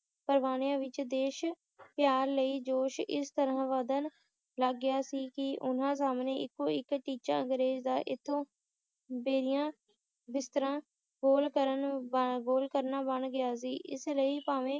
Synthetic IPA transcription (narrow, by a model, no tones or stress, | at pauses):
pəɾʋaːnijãːʋɪt͡ʃd̪eːʃ | pjaːɾləiːd͡ʒoːʃɪ̰st̪əɾãːʋəd̪ən | ləɡːɪjaːsiːkɪʔʊn̤ãːs̬aːmneːɪkːoːɪkʈiːt͡ʃa̰ːəŋɡɾeːzd̪aːʔɪt̪ʰːõː | beːɾɪjãː | bɪst̪əɾãː | ɡoːlkəɾənɡoːlkəɾnaːbəɳɡɪjaːs̬iːʔɪsləiːpaːʋẽː